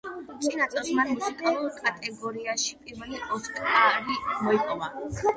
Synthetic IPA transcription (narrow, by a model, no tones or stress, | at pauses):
t͡ʃ̪ʼinat̪ʼɛsmanmusikʼalˠuɾkʼat̪ʼɛɡɔɾiaʃipʼiɾvɛliʔɔt̪ʼlaɾimɔipʼɔva